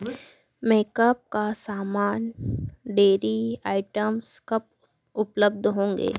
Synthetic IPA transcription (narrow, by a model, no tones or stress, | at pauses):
meːkəp̚kasaːmaːnɖeːɾiaːɪʈəmskɐp̚ | ʊpləb̚d̪ʱɦõːŋɡḛː